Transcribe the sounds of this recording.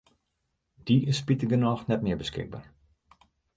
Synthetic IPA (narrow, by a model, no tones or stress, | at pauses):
d̥iʔɪsːpitəɡənɔxnɛt̚mɪəbəskɪ̰k̚ba̰ːr